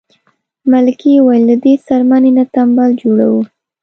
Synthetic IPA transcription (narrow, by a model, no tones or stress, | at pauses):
malkiwajlːad̪esaɾmanenat̪ambɑld͡ʒoɽa̰wu